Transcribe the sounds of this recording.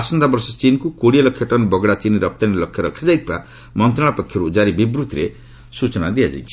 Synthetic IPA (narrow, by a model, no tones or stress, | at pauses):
asɔnd̪abɔɾsɔt͡ʃinkukoɽijalɔkʰjɔʈɔnbɔɡɽat͡ʃiniɾɔp̚t̪anilɔkʰjɔɾɔkʰːad͡ʒajt̪ʰiba̰ | mɔnt̪ɾaɭ̃apɔkʰːjɔɾud͡ʒaɾibibɾut̪ɾe | sut͡ʃɔna̰d̪iad͡ʒa̰jt͡ʃʰi̥